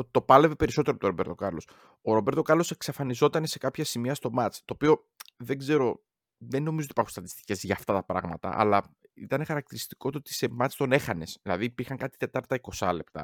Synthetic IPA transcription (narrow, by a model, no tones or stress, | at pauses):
ot̪it̪o̞pɐle̞ve̞pe̞ɾiso̞t̪eɾopt̪oɾobe̞ɾt̪o̞kɐɾlo̞s | oɾo̞be̞ɾt̪okɐɾlo̞seksɐfɐnizo̞t̪ɐnese̞kɐpçɐsimiɐst̪o̞mɐt͡st̪o̞ːpio̞ | ðe̞ɡze̞ɾo̞ | ðenːo̞mizot̪ipɐɾxunst̪ɐt̪i̥st̪i̥ce̞zʝɐːft̪ɐt̪ɐpɾɐ̰ɣmɐt̪ɐ̰ʔɐ̰lɐ | ḭt̪ɐne̞xɐɾɐk̚t̪iɾist̪i̥ko̞t̪oot̪i̥se̞mɐt͡st̪o̞ne̞xɐne̞sðilɐðipiɾxɐŋkɐt̪i̥t̪e̞t̪ɐɾt̪ɐiko̞sɐle̞p̚t̪ɐ̰